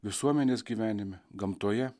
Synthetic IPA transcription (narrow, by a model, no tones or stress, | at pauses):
ʋʲɪsuɔmʲɛnʲeːsɡʲiːʋʲæːnʲɪmʲɪɡɐmt̪uɔjɛ